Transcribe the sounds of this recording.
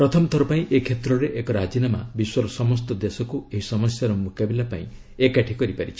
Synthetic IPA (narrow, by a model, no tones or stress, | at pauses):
pɾɔt̪ʰɔmɔt̪ʰɔɾɔpaĩʔekʰet̪ɾɔɾeʔekɔɾad͡ʒinama̰biswɔɾɔsɔmɔst̪ɔd̪esɔkueɦisɔmɔsjaɾɔmukabilapa̰ĩ | ekaʈʰikɔɾipaɾit͡ʃʰi̥